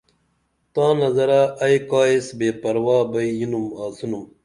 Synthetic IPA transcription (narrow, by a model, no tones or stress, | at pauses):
t̪ãːnɐzɐɾaɐjkaːesbeːpɐɾwaːbɐijinumaːsunum